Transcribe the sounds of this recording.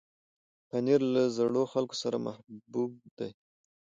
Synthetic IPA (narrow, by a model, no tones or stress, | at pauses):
paniɾlazɽoxalko̥saɾamahbub̚d̪aj